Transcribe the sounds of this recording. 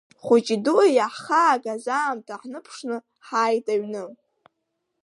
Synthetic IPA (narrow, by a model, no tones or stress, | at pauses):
χʷut͡ʃʼiduajaħχaːɡʼazaːmtʼʰaħnɨpʰʂnɨ | ħaːjtʼaɥnɨ